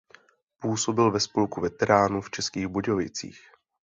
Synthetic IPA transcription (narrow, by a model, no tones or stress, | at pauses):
puːso̞bɪlvɛspolkuvɛt̪ɛɾaːnuft͡ʃɛskiːɣboɟovɪt͡sḭːx